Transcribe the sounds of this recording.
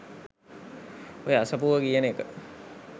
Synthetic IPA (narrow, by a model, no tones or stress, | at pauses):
ojəasɐpuʋəkijənəekə